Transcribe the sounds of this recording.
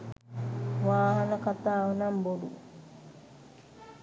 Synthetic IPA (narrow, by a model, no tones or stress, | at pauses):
ʋaːɦɐnɐkat̪aːʋɐnɐmboɖṵ